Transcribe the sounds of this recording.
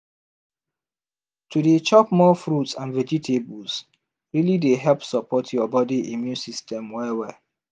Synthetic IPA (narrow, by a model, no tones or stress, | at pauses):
tʰudet͡ʃɔpmɔfɹutsãnvɛd͡ʒitʰebus | ɹilideɦɛlpsəpʰɔtʰjɔbɔdiʔimjũnsistʰɛ̃mwɛwɛ